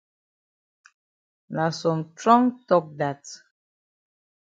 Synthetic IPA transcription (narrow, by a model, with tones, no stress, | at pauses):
na˨sɔ̃˨mtɹɔ̃˦ŋtɔ˦k̚da˨t